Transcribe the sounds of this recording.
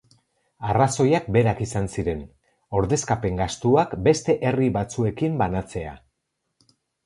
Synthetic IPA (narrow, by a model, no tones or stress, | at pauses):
araso̞jak̚be̞ɾakisansiɾe̞n | o̞ɾðe̞skape̞ŋɡast̪uakbe̞st̪e̞ʔe̞riβat͡sue̞kimbanat͡se̞a̰